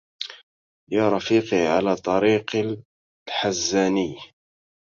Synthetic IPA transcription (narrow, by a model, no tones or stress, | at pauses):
jaːɾˤɑfiːqiʕalaːt̪ˤɑɾiːq | ħazːaːnɪj